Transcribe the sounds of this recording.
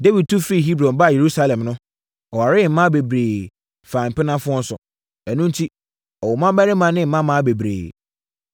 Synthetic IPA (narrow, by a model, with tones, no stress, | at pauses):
de˦wi˨d̚tʰu˦fi˦˨ɦi˦bɾɔ̃˨nba˦˨je˨ɾu˦sa˦lɛ̃˨mnʊ̃˦ | ɔ˨wa˨ɾɪ˦˨m̩˦mã˦be˨bɾeː˨ | fãː˨m̩˨pɪ˦nã˦fʊ̃˦ɔ˦n̩˦sʊ˨ | æ˨nũ˦n̩˦tʰi˦ | ɔ˨wɔ˨mã˦bæ˦nɪ̃˦mã˨nɪ̃˦m̩˨˦mã˦mã˦be˨bɾḛː˨